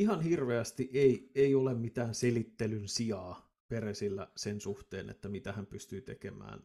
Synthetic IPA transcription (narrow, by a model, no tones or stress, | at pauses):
iɦɑnhirʋeæst̪iʔeieiolemmit̪æːnselit̪ːelynsiɑː | peresilːæ̰sensuht̪ḛːnḛt̪ːæmit̪æhæmpyst̪yːt̪ḛkemæ̰ːn